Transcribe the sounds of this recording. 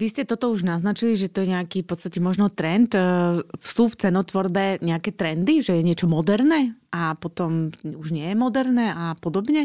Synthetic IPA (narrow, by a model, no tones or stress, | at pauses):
ʋiscɛt̪ɔt̪ɔuʒnaznat͡ʃiliʒɛt̪ɔjɛɲɛakiːfpɔt̪st̪acɛmɔʒnɔt̪ɾɛnt̪ | suft͡sɛnɔt̪ʋɔɾbɛɲɛakɛːt̪ɾɛnd̪iʒɛjɛɲɪɛt͡ʃɔmɔd̪ɛɾnɛːʔapɔt̪ɔmuʒɲɪɛjɛmɔd̪ɛɾnɛːʔapɔd̪ɔbɲɛ